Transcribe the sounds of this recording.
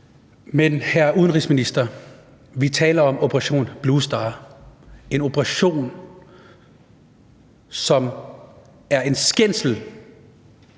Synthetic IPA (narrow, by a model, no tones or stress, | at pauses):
menhæɐʔuðˠənʁiːsminisd̥ɐ | ʋit͡sʰɛ̰ːlɐɒ̽mopʰəʁɑ̈ɕo̝̰ːnb̥luːsd̥ɑ̈ː | e̝no̝pʰʁɑ̈ɕo̝̰ːn | sɒ̽m | æɐe̝nsɡ̥en̰sl̩